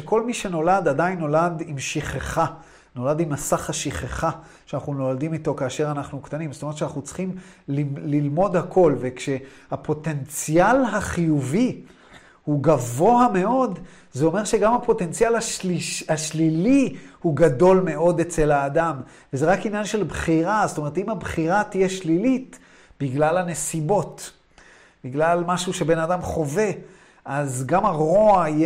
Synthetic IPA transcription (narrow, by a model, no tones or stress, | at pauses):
eko̞lmiʃe̞no̞ladadainːo̞ladimʃiχeχa | no̞ladimːasaχhaʃiχeχa | ʃeanaχnuno̞ladimito̞kaːʃe̞ʁanaχnukt̪animstomett͡ʃeanaχnut͡sχim | lililmo̞dhakʰo̞lve̞kʃe̞ | hapʰo̞te̞nt͡sjalɦaχijuvi | huɡavo̞ame̞o̞d | zeo̞me̞ʁʃe̞ɡamapo̞t̪e̞nt͡sijalaʃiaʃlilihuɡado̞lme̞ʔo̞det͡se̞laːdam | vezeʁakinjanʃe̞lbχiʁazotome̞ʁet̪imhabχiʁat̪ijeʃlilit | b̥iɡlalane̞sibo̞t | biɡlalmaʃuʃe̞be̞nadamχo̞ve̞ | ʔazɡamaʁo̞ai